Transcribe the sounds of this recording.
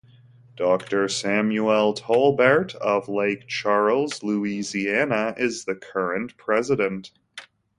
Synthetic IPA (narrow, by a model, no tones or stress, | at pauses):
d̥ɔk̚tə˞sæ̃mjuɛlˠtʰɔlˠbə˞ɾʌvleɪk̚t͡ʃʰɑɹl̩ˠzluiziænəʔɪzðɨkʰɜ˞ɨ̃npʰɹ̥ɛzɨɾɨ̃nt